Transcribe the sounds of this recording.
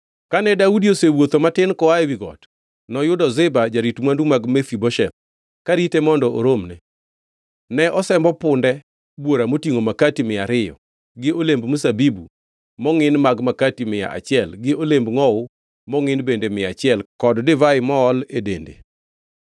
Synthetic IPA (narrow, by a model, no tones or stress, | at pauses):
kanɛdaudiosewot̪omatɪnkɔajwiɡɔ̰t | nɔjʊdɔzɪbad͡ʒaɾitmwandumaɡmɛfibɔʃɛt̪̚ | kaɾitemɔndɔʔo̰ɾomnɛ | nɛʔɔsɛmbɔpʊndɛ | bwoɾamotiŋomakatimɪaɾɪjɔ̰ | ɡɪolembmusabibṵ | mɔŋɪnmaɡmakatimɪja̰ʔa̰t͡ʃɪɛlɡɪolembŋɔʊ | mɔŋɪnbendemɪat͡ʃɪɛlkɔddɪvaɪmɔːledendḛ